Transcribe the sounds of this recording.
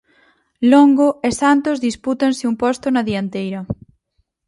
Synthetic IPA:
loŋɡoesant̪ozðisput̪anseumpɔst̪onaðiant̪ejɾɐ

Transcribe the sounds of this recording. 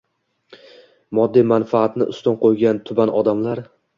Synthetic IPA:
mɒd̪ːijmanfaːt̪nɪʔʊ̰st̪ɒnqʰojɡʲant̪ʰʊbanɒd̪amlaɾ

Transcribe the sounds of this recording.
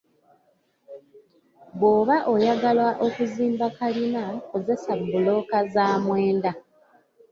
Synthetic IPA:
bwo̞ːβaʔo̞jaɡalwaʔo̞kuziːmbakalinako̞ze̞sabːulo̞kazaːmweːnda

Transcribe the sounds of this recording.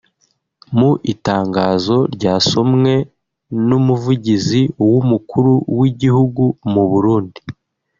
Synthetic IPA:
muʔitaːŋɡaːzo̞ɾɟaːso̞mŋe̞ | numuvuɟiziwumukʰuɾuwiɟihuɡumuβuɾuːndi

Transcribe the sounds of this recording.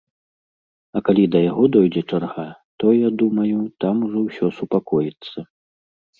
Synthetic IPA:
ɐkalʲid̪ɐjaɣɔd̪ɔjd͡zʲɛt͡ʂarɣat̪ɔjad̪umɐjut̪amuʐɔwsʲɔsupakɔjit̪sːɐ

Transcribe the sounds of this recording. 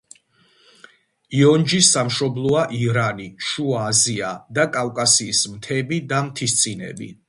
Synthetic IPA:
iɔnd͡ʒisamʃɔblˠɔaʔiɾaniʃuaːziad̪akʼalkʼasiːsmt̪ʰɛbid̪amt̪ʰist̪sʼinɛ̰bḭ

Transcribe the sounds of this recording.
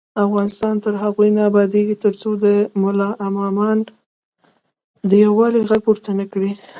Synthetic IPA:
afɣɑnɪst̪ɑnt̪əɾɦaɣujnɑːbɑd̪eɡit̪əɾt͡sod̪əmʊlɑʔamɑmɑn | d̪əjawɑliɣaɡ̚poɾt̪ənakɽi

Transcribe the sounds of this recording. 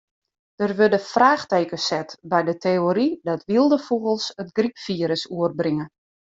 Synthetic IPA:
d̥ərʋødəfraːxteːkəsɛtbɛjdətʰeoɾidɔtʋilˠdəfuɣəlˠsətɡripfiːəɾəsuərbriŋə

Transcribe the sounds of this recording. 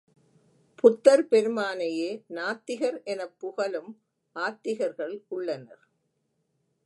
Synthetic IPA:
pʊt̪ːɐɾpɛɾɯmaːnɐjeːnaːt̪ːɪɣɐɾɛnɐpːʊɣɐlɯm | ʔaːt̪ːɪɣɐɾɣɐɭʔʊɭːɐnɐ̰ɾ

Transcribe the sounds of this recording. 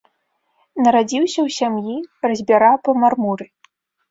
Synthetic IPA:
nɐɾad͡zʲiwsʲɐwsʲamjirɐzʲbʲaɾapɐmarmuɾɨ

